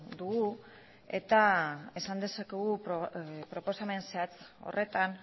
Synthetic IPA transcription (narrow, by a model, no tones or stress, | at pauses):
d̪uɣu | e̞̰t̪ae̞sand̪e̞sake̞ɣu | pɾo̞po̞same̞nseat͡so̞̰rʔe̞t̪an